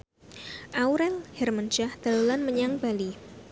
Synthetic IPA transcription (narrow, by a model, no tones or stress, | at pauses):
ʔauɾɛlhɛrmand͡ʒahd̪̥alulanməɲaŋb̥ali